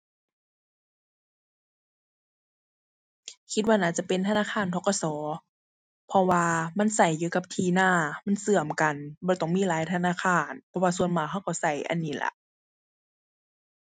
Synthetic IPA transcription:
kʰi˧t̪̚waː˧naː˧˩t͡ɕa˧˨pe˨nt̪ʰa˧naː˧˥˨xʰaː˧˥˨nt̪ʰɔː˧˥kɔ˧˨sɔː˨˦ | pʰɔ˧waː˧ma˧˥˨nsa˨˩jːuː˧˩ka˧p̚t̪ʰiː˧˩naː˧˩ma˧˥˨nsɯ˧˩əmka˨nbɔː˧˦t̪ɔ˧˩ŋmiː˧˥˨laː˨˦jt̪ʰa˧naː˧˥˨kʰaː˧˩npʰɔ˧waː˧su˧ənmaː˨˩jɦa˧˩˨wkɔː˧˩sa˨˩jʔa̰˨nːiː˧˩la̰˧˦ʔ

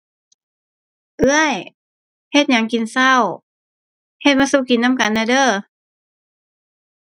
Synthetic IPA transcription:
ʔɯ˧˥əj | he˧t̪̚ɲa˧˦ŋki˨nsa˧˥˩w | he˧˩t̪̚maː˧suː˧˩ki˨˦nːa˧˥˨mka˧˨nːa˧˩dɤː˧˩

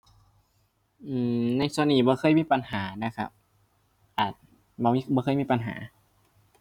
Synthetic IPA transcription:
ʔɯː˧˩na˧˩˨jsu˧ə˨nːiː˧˩bɔː˧˦xʰɤː˧˥˨jmiː˧˥˨pa˧˨nhaː˩˦na˧kʰa̰˧p̚ | ʔaː˨˩t̪̚ | bɔː˧˦miː˧bɔː˧˦kʰɤ˧˨miː˧˨˧pa˨nɦa̰ː˩˦

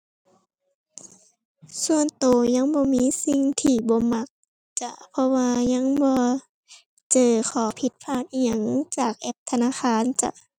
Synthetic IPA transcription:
su˧ənt̪oː˨˩ɲa˧˥˨ŋbɔː˧˦miː˧˥˨si˧ŋt̪ʰiː˧bɔː˧˦ma˧k̚ | t͡ɕa˧˩ʔpʰɔ˧waː˧ɲa˧˥˨ŋbɔː˧ | t͡ɕɤː˧˩kʰɔː˨˩pʰi˧˦t̪̚pʰaː˧˩t̪̚ʔiː˧˩ɲa˧˩ŋt͡ɕaː˨˩k̚ʔɛ˧˩p̚t̪ʰa˧naː˧˨xaː˧˥˨nt͡ɕa̰˧˦ʔ

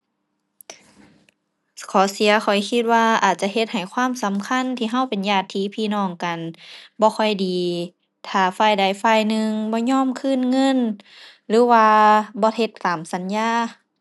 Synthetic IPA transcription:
kʰɔː˨˦si˨˦ɐkʰɔ˨˩jkʰi˧t̪̚waː˧ʔaː˨˩t̪̚t͡ɕa˧ɦe˧t̪̚ha˨˩jkʰwaː˧˥˨msa˨˦mkʰa˧˥˨nt̪ʰiː˧ɦa˧˥˨wpe˨njaː˧˩t̪ʰːiː˧˥˦pʰiː˧˨nɔː˧˩ŋka˨nbɔː˧˦kʰɔ˧˩jdiː˨ | t̪ʰaː˧˩faː˧˩jda˧˩jfaː˧˨jnɯ˧ŋbɔː˧˦ɲɔː˧˥˨mkʰɯː˧˥˨nŋɤ˧˥˨n | lɯː˨˦waː˧bɔː˧˦he˧t̪ːaː˨˦msa˨˦njaː˧˩˨

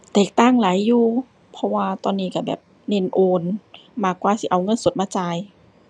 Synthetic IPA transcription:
t̪eː˨˩k̚t̪aː˧˥˩ŋla˨˦jːuː˧˩ | pʰɔ˧˥waː˧t̪ɔː˧nːiː˧˩ka˧˩bɛ̰ː˨˩p̚ | ne˧˥˨nʔoː˧nmaː˧˩kːwaː˧˩si˧˦ʔa˧˩wŋɤ˧˥˨nso˨˩˦t̪̚maː˧˩t͡ɕaː˧j

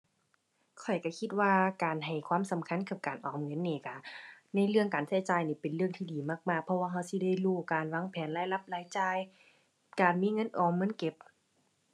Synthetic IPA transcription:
kʰɔ˨˩jka˧˩kʰi˧t̪̚waː˧kaː˨˩nɦa˨˩jkʰwaː˧˥˨msa˨˦mkʰa˧˥˨nkʰa˧˩p̚kaː˨˩nʔɔː˨˦mŋɤ˧˥˨nːeː˧˩ka˧˩na˧˥˨jlɯ˧əŋkaː˨nsa˧˩jt͡ɕaː˨˩jniː˧˩pe˨nlɯ˧əŋt̪ʰiː˧diː˨˩maː˧˩k̚maː˧˩k̚pʰɔ˧waː˧ɦa˧˩˨wsi˧˦da˧˥˨jluː˧˩kaː˨nwaː˧˥˨ŋpʰɛː˨˦nlaː˧˥˨jla˧˥˦p̚laː˧˥˨jt͡ɕaː˧˩˨j | kaː˨˩nmiː˧˥˨ŋɤ˧˥˨nʔɔː˨˩mːɤ˧˥˨nke˧˥p̚

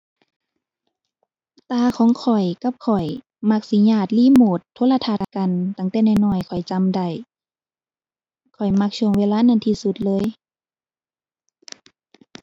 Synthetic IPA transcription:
t̪aː˧kʰɔː˨˦ŋkʰɔ˨˩jka˧˦p̚kʰɔ˨˩j | ma˧k̚si˧˦ɲaː˧˩t̪̚liː˧˥˨moː˨˩t̪ʰːoː˧˥la˧t̪ʰaː˧t̪a˧ka˧˨nt̪a˧˩ŋt̪ɛː˧˦na˧˩˨nɔː˧˩jkʰɔ˨˩jt͡ɕa˧˨mda˧˩j | kʰɔ˨˩jma˧k̚su˧˨ŋweː˧˨laː˧˥˨na˧˥˨nt̪ʰiː˧˨su˧˦t̪̚lɤː˧˥˨j

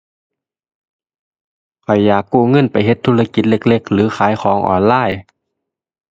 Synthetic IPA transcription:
kʰɔ˨˩jːaː˨˩kːuː˧˩ŋɤ˧˥˨npa˨jɦe˧˦t̪ʰːuː˧la˧ki˨˩t̪̚le˧k̚le˧˩k̚lɯː˨˦xʰaː˨˦jxʰɔː˩˦ŋʔɔ̰ː˨˩nlaː˧˥˨j

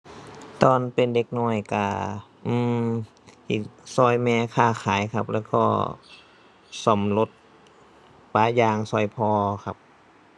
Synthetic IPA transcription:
t̪ɔː˧npe˧˨nde˧˦k̚nɔː˧˩jka˧˩ʔɯː˧˩m | hi˧˩sɔː˧˩jmɛː˧kʰaː˧˩xʰaː˨˦jkʰa˧˥p̚lɛː˧˩kɔ̰ː˧˩ | sɔ˨˩˦mlo˧˦t̪̚ | paː˨˦jaː˧ŋsɔ˧˩jpʰɔː˧kʰa˧p̚

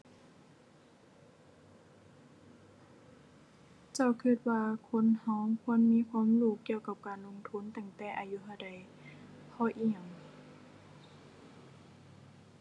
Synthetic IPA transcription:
t͡ɕa˧˩˨wkʰɯ˧˩t̪̚waː˧kʰo˧˥˨nha˧˩˨wkʰu˧˥˨ə˨nmiː˧˥˨kʰwaː˧˥˨mluː˧˩kːi˧əwka˧˩p̚kaː˨nlo˧˥ŋt̪ʰu˧˥˨nt̪ɛː˧˩ŋt̪ɛː˧˩˨ʔa˨ju˧˥ɦa˧˩wda˨˩j | pʰɔː˧˩ʔiː˧˩˨a˨˩ŋ

